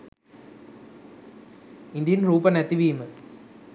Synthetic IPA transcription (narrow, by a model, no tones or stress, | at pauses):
ɪnd̪ɪjɯnɾuːpɐnɐt̪ːiʋiːmɯ